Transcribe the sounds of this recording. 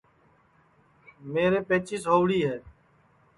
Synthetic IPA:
meːɾeːpeːt͡ʃɪːsɦoːʋɽiːɦɛː

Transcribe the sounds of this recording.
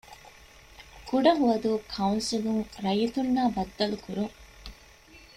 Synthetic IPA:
kuɖɐɦuʋɐd̪uːkʰɐunsiluŋɾɐjit̪unːaːbɐd̪ːɐlukuɾuŋ

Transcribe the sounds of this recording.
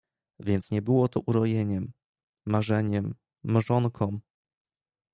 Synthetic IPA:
vʲjɛnt̪sɲɛbɘwɔt̪ɔʔuɾɔjeɲɛmː | aʐɛɲɛmː | aʐɔŋkʰɔ̃w̃

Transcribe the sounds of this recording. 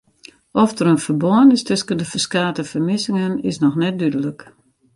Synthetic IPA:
ʔɔfdəɾənfərbɔənɪstøskəndəfərskaːtəfərmɪsɪŋənɪsnɔxnɛt̚dydələk

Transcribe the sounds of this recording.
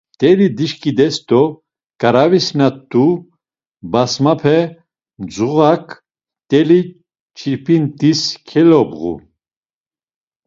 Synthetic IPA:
t̪ʼɛlid̪iʃkʼid̪ɛst̪ɔ | kʼaɾavisnat̪ʼːu | basmapʰɛ | d͡zuʁakʰ | t̪ʼɛli | t͡ʃʰiɾpʰint̪ʼiskʰɛlɔbʁṵ

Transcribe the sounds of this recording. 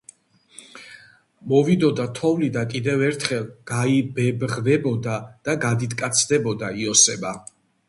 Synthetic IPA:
mɔvid̪ɔd̪at̪ʰɔvlid̪akʼid̪ɛvɛɾt̪ʰχɛlˠɡ̥aibɛbʁvɛbɔd̪ad̪̥aɡad̪it̪ʰʼkʼat̪sʰd̪ɛbɔd̪aiɔsɛba

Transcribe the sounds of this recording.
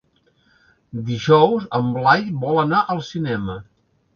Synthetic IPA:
d̪iʒɔwzəmblajβɔlənaʔəlˠsinɛmə

